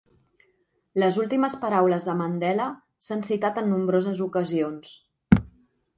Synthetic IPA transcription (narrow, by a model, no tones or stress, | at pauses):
ləzulˠt̪iməspəɾawləzðəmənd̪ɛlə | sansit̪at̪ənːumbɾozəzukəzions